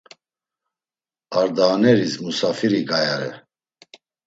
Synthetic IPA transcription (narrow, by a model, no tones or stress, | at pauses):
aɾd̪aːnɛɾismusafiɾiɡajaɾɛ̰